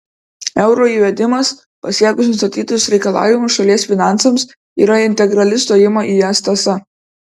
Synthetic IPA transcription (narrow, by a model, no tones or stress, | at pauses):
ɛʊɾoːiːʋʲɛd̪ʲɪmɐs | pɐsʲiɛkʊsʲnʊst̪ɐt̪ʲiːt̪ʲʊsɾʲɛɪkɐlˠɑ̰ːʋʲɪmʊʃɐlʲiɛsfʲɪnɑˑntsɐms | ḭːɾɐɪnʲt̪ʲɛɡɾɐlʲɪst̪oːjɪmɐʔiːjɛst̪ɐsɐ